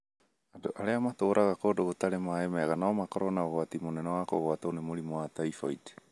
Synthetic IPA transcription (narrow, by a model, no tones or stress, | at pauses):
adoʔaɾeamatoɾʔaɣakodoɡotaɾemaemaeɡanaomakoɾonaoatimonenoakoɣoatonemoɾimoatajfojde̥